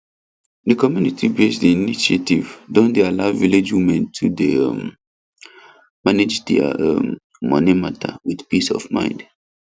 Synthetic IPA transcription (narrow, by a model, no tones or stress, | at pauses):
dəkɔmjunitʰibesdiiniʃetivdõndealaʊviled͡ʒwimɛ̃ntʰudeʌm | maned͡ʒdɛ̰a̰m | mɔ̰nimatʰa̰wid̥pisɔ̰vmã̰ɪ̃nd